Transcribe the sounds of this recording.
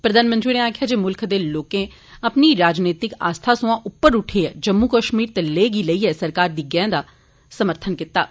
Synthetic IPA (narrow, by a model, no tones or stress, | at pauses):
pɾəd̪aːnmənt̪ɾiːneaːkʰjaːd͡ʒeːmʊlkʰd̪eːloːkẽː | əpniːɾaːd͡ʒneːt̪ɪka̰ːst̪ʰaːsʊ̃ãːʔʊpːəɾʊʈʰeːɛːd͡ʒəmːuːkəʃmiːɾt̪eːleːɡiːləiːɛːsəɾkaːɾd̪iːɡɛãːd̪aː | səməɾt̪ʰənkɪt̪ːaː